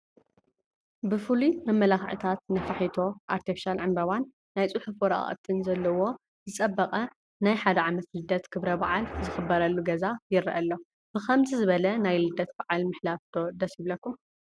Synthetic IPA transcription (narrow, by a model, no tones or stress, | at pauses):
bɨfɨlumɐmːɐlaxʕḭt̪ʰat̪̚nɐfaħit̪ʰo̞ʔaɾt̪ʰifiʃalʕɨnbɐβanː | ajt͡sʼuħufɔɾa̰ʔʼt̪ʰɨnzɐlːɐwo̞ | zɨt͡sʼɐbːɐkʼɐ | najħad̪ɐʕamɐt̪lɨd̪ːɐt̪kʰɨβɾɐbaʕalzɨxɨbːɐɾɐlːuɡɐzajɪɾʔɐlːo̞ | b̥ɨxʰɐmzʰizɨβɐlɐnajlɨd̪ːɐt̪̚baʕalmɨħlaft̪ʰo̞d̪ɐsiblɐkːum